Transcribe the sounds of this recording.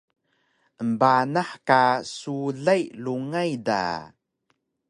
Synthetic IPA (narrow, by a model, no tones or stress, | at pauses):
ʔəmbanaħkasuɮajluŋajda̰